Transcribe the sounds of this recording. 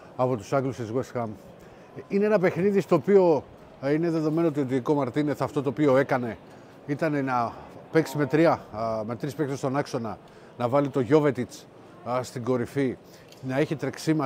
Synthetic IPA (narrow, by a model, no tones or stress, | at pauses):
ɐpo̞t̪usɐɡlusizɣuesxɐm | ineenɐpe̞xniðist̪o̞ːpio̞ | ine̞ðe̞ðo̞me̞noot̪iot̪̬iiko̞mɐɾt̪ineθɐft̪o̞t̪oːpio̞e̞kɐne̞ | it̪ɐne̞nɐpeksime̞t̪ɾiɐme̞t̪ɾispeksest̪o̞nɐkso̞nɐ | nɐvɐlit̪o̞ʝo̞ve̞t̪it͡s | st̪iɡo̞ɾifi | nɐeçit̪ɾeksimɐ